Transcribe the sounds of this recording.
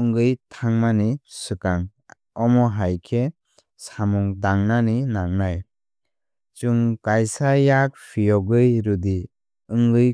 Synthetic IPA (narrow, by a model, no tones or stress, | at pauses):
ɯŋɡɯjtʰaŋmanisɯkaŋ | ɔmɔɦajkʰe | samuŋdaŋnaninaŋnaj | t͡ʃuŋkajsajak̚pʰijɔɡɯjɾudi | ɯŋɡɯj